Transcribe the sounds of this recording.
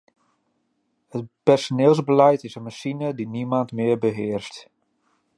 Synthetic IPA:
hətpɛrsonɪːlˠzbəlɛjtɪsənmasinədinimantmɪəɹbəɦɪərst

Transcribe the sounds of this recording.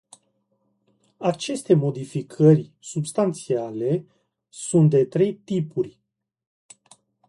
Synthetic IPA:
at͡ʃe̞st̪e̞mo̞d̪ifikʰərʲsubst̪ant̪siale̞ | sunt̪̚d̪e̞t̪ɾe̞jt̪ipurʲ

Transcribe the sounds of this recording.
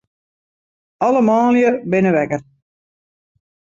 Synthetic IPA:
ɑləmaːljəbɪnəʋɛkər

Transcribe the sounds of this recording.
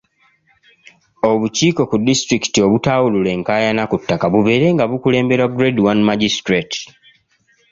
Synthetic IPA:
o̞βuciːko̞kudːistɾiki̥tio̞βutawulule̞ŋkaːjanakutːakaβuβe̞ːɾe̞ŋɡaβukule̞ːmbe̞ɾwaɡɾedwanmaɟistɾet

